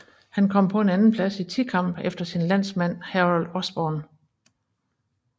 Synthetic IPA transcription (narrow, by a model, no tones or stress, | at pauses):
hænkʰɒ̽m̰pʰɒ̽e̝nænn̩pʰlæsit͡sʰikʰɑ̈m̰b̥efd̥ɐsinlæn̰smæn̰hæʁld̥ɒsb̥ɒːn